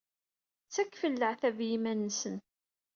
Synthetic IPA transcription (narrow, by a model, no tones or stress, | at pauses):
t͡sːækːfəlːəʕθævjimænːəsən